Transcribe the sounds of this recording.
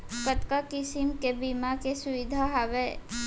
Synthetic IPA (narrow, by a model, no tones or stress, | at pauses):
kət̪kakɪsimkebimakesʊʋid̪ʱaɦaʋe